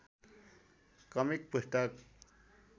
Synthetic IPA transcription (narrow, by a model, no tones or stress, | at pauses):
kʌmik̚pusʈʌk